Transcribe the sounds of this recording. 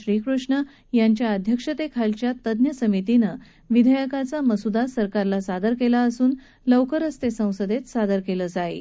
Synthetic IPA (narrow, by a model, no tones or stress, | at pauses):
ɾiːkɾuʂɳə | jaɲt͡ɕjaəd̪ʱjəkʂət̪ekʰalt͡ɕjat̪əd̪njəsəmit̪inə | ʋid̪ʱəjəkat͡saməsud̪asəɾkaɾlasad̪əɾkelaəsuːn | ləwkəɾəst̪esə̃w̃səd̪et̪sad̪əɾkeləd͡zaḛ